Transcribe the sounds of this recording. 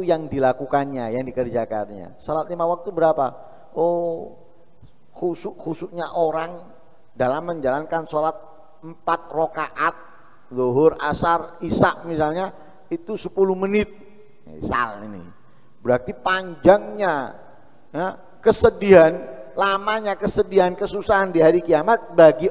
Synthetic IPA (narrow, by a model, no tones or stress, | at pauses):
ujaŋdilakukanɲajaŋdikərd͡ʒakanɲa̰solat̪̚limawak̚t̪ubəɾapa | o | husuʔhusuʔɲaʔoɾaŋ | dalamːəɲd͡ʒalankansolat̪̚ | əmpat̪̚rokaʔat̪̚ | zoɦʊrasarisak̚misalɲa | it̪usəpulumənɪt̪̚ | ḭsa̰lḭnḭ | bəɾart̪ipaɲd͡ʒaŋɲa | ja | kəsədiɦanlamaɲakəsədiɦankəsusaɦandiɦaɾikiamat̪̚baɡi